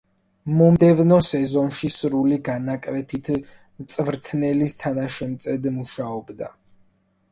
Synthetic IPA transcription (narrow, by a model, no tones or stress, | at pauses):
mɔmd̪ɛvnɔsɛzɔnʃisɾuliɡanakʼvɛt̪ʰit̪ʰ | mt̪sʼvɾt̪ʰnɛlist̪ʰanaʃɛmt̪sʼɛd̪muʃaɔbd̪a̰